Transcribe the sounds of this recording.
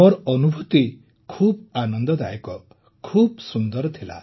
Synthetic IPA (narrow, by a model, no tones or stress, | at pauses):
ɔɾɔnubʱut̪i | kʰubanɔnd̪ɔd̪a̰jɔkɔ | kʰub̚sund̪ɔɾɔt̪ʰila̰